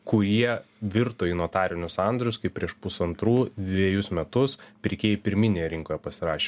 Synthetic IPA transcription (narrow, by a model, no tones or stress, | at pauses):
kʊjiɛʋʲɪɾt̪oːɪnoːt̪ɑːɾʲɪnʲʊsɑnd̪ɾʲʊskɐɪp̚ʲɾʲiɛʃpʊsɐnt̪ɾuːd̪ʲʋʲiɛjʊsmʲɛt̪ʊspʲɾʲɪkʲeːjipʲɪɾʲmʲɪnʲeːjɛɾʲɪŋkoːjɛpɐsʲɪɾɑːʃʲeː